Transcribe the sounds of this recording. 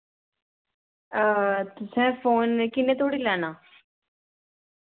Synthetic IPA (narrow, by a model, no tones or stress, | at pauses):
t̪ʊsɛ̃foːnkinẽt̪oːɽilaːnaː